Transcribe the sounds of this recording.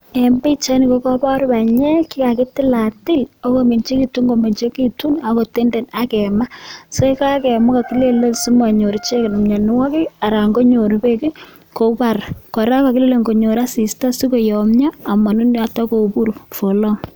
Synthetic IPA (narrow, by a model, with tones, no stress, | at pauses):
ɛ˨mbi˦t͡ʃa˦nɪ˨ko˦kɔ˦pɔ˦ɾpa˨ɲɛ˦ki˦ka˨kɪ˦tɪ˦la˨tɪ˦lo˦ko˨me˨nt͡ʃi˦ki˨tu˦ŋɡo˨me˨nt͡ʃe˦ki˦tu˦na˨ko˨te˦nde˨na˦kɛ˨ma˦so˦ka˦kɛ˨mʊ˦ka˨ki˦le˦lo˦si˦mwa˨ɲo˨ɾt͡ʃe˦kɪ˨nɔ˨mɲa˨nɪ˦wa˦ki˦a˨ɾa˨ŋɡo˦ɲo˨ɾpe˦ki˦ | ko˨pa˨ɾkɔ˨ɾa˦ka˨kɪ˦le˦le˨ŋɡo˨ɲo˨ɾa˦si˨sta˦si˦ko˨jɔ˨mɲaː˦˨ma˨nu˦n˦a˦ta˦ko˨pu˦ɾu˨fo˨lɔ˦ŋ